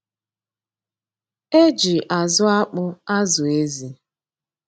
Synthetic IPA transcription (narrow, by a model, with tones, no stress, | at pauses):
e˦d͡ʒi˨ʔa˨zʊ˦a˦k͡pʊ˦a˦zʊ˨e˦zi˨